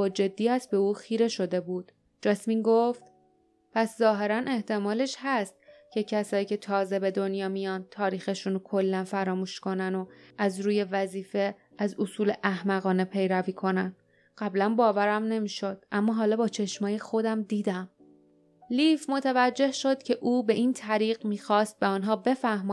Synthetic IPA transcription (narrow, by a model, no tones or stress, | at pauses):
ɒːd͡ʒe̞d̪ːiːæsbe̞uːxiːɾe̞ʃo̞d̪e̞buːd̪̥ | d͡ʒɒsmiːnɡoft̪ | pʰæszɒːɦe̞ɾænʔe̞ht̪ʰe̞mɒːle̞ʃhæst̪̚cʰe̞cʰæsɒːjiːcʰe̞t̪ʰɒːze̞be̞d̪o̞njɒːmijɒn̚t̪ʰɒːɾiːxe̞ʃunokʰo̞lːænfæɾɒːmuːʃko̞næno̞ʔæzɾuːje̞væziːfe̞ | æzosuːle̞ʔæhmæɣɒːne̞pʰe̞jɾæviːkʰo̞næn | ɢ̥æblænbɒːvæɾæmne̞miːʃo̞d̪̥̚ʔæmːɒːɦɒːlɒːbɒːt͡ʃʰeʃmɒːjexo̞d̪æmd̪iːd̪æm | lifmo̞t̪ʰævæd͡ʒːe̞hʃod̪̥̚cʰe̞ʔuːbe̞ʔint̪ʰæɾiːɣmiːxɒːst̪̚be̞ɒnɦɒːbe̞fæhmɒː